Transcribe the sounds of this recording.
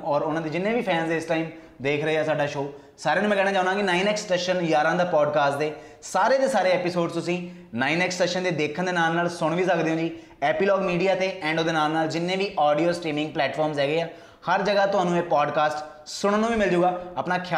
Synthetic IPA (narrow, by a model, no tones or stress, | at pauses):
ɔːɾʊnãːd̪eːd͡ʒɪnːẽːʋiːpʰɛ̃ːnzeɪsʈaːim | d̪eːkʰɾəɦeːɛːsaːɖaːʃoː | saːɾeːnũmɛ̃kɛːɽaːt͡ʃãːnd̪ãːɡɪnaːinɛːksʈɛːʃənjaːɾãːd̪aːpɔːɖkaːsʈd̪eː | saːɾeːd̪eːsaːɾeːɛːpisoːɖst̪ʊsĩː | naːiːnɛːksʈɛːʃənd̪eːd̪eːkʰənd̪eːnaːlnaːlsʊɽ̃ʋiːsəkd̪eõːd͡ʒiː | ɛːpiːlɔːɡmiːɖijaːt̪eːʔɛ̃ːɳɖod̪eːnaːlnaːld͡ʒɪnːẽːʋiːʔɔːɖijoːsʈiːmɪ̃ŋɡ̚plɛːʈfʰɔːɾmzɛːɡeːaː | həɾd͡ʒəɡaːt̪ʊɦaːnũːeːpɔːɖkaːsʈ | sʊɽ̃ənːũːʋiːmɪld͡ʒuːɡaːəpnaːkʰː